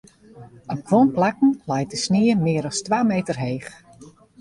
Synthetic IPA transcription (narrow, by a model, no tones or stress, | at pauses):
ɔp̚kʰʋonplakn̩lɛjt̚dəsniəmɪːəɾɔstʋaːmejtərɦeːχ